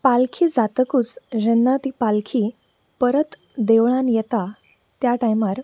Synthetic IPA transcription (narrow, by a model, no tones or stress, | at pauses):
palkʰiːd͡zat̪əkuːt͡sd͡ʑənːat̪iːpalkʰiː | pəɾət̪ | d̪eʋɭãnjɛt̪a | t̪jaʈajmaɾ